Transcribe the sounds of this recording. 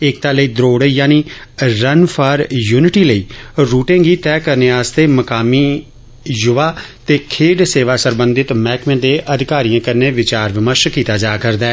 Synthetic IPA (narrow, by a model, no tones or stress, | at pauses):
ɪk̚t̪aːləiːd̪ɾoːɽjaːniːɾənpʰaːɾjuːnɪʈiːləiːɾuːʈẽːɡiːt̪ɛːkəɾneːaːst̪eːməkaːmiː | jʊʋaːt̪eːkʰeːɖseːʋaːsəɾbə̃nd̪ɪt̪mɛːkmẽːd̪eːʔəd̪ʱɪkaːɾijãːkəɾneːʋɪt͡ʃaːɾʋɪməɾʃkiːt̪aːd͡ʒaːkəɾd̪aː